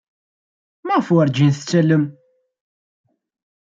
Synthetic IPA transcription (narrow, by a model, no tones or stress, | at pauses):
mæʁfʊəɾd͡ʒinθət͡sːæləm